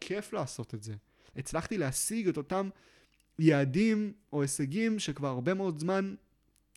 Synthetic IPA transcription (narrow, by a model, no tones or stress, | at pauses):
kʰe̞flaːso̞t̪etze̞ | et͡slaχt̪ileasiɡe̞to̞tam | jeːdimo̞eseɡimʃekvaʁaʁbe̞meo̞dzman